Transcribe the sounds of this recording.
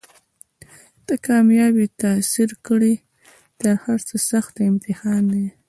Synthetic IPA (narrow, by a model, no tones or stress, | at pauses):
d̪̥əkɑmjɑbit̪asiɾkəɽi | t̪əɾhaɾt͡səsaxt̪ɪmt̪ɪhɑnd̪e